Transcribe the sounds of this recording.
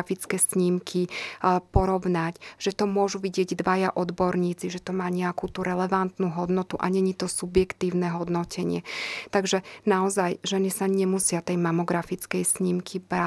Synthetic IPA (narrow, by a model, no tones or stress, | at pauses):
fit͡skɛsɲimkʰipɔɾɔʋnacʒ̥ɛt̪ɔmʊɔʒuʋiɟɪɛɟd̪ʋajaʔɔd̪bɔɾɲiːt͡siʒɛt̪ɔmaːɲɛakut̪uɾɛlɛʋant̪nuɦɔd̪nɔt̪uʔaɲɛɲit̪ɔsubjɛkt̪iːʊnɛɦɔd̪nɔcʰɛɲɪɛt̪aɡʒɛnaɔzajʒɛnisaɲɛmusɪat̪ɛjmamɔɡɾafit͡skɛjsɲimkʰiba